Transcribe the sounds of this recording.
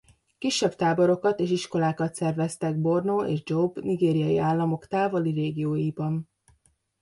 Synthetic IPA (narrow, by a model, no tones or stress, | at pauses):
kiʃːɛbt̪aːboɾo̞kɒt̪eːʃiʃko̞laːkɒt̪sɛrvɛst̪ɛɡ̚bo̞rnoːʔḛːʒd͡ʒobniɡeːɾijɒjiaːlːɒmo̞kt̪aːvoliɾeːɡijoːjibɒn